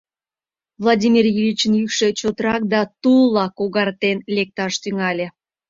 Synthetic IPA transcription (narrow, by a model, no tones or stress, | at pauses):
vlˠadʲimirjivʲit͡ɕənjykʃet͡ɕot̪əɾɑk̚d̪ɑt̪ulˠɑkoɣɑrt̪enlʲek̚t̪ɑʃt̪yŋɑlʲe